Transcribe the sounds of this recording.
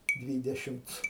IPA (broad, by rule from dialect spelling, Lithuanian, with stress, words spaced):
ˈdʲʋʲiːdʲɛʃʲɪmt͡s